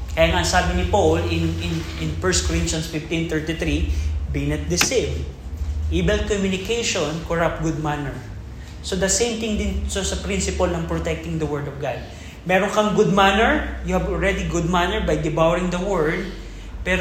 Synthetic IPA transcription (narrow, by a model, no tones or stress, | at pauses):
kɐjaːŋɐɐnsaːbɪnɪpowlɪ̃nɪnʔɪnfɛɹst̪̚kɔɹɪ̃nt̪jɐnsfɪft̪ĩnt̪ɛɹt̪it̪ɾibinɐt̪̚d̪ɛsẽm | ʔibɛlkomjʊnɪkejʃonkoɹap̚t̪̚ɡʊd̪̚manɛɹ | sod̪ɐsẽjmt̪ɪ̃ŋd̪ɪnsosɐpɾɪnsɪpɐlnɐŋpɹot̪ɛk̚t̪ɪŋd̪ɐwɛɹd̪ɔfɡad̪̚ | mɛɾonkɐŋɡʊd̪̚manɛɹjʊhɐbɔlɹɛd̪iɡʊd̪̚manɛɹbɐjd̪ɪbawɾɪ̃ŋd̪ɐwɛɹd̪̚ | pɛɾ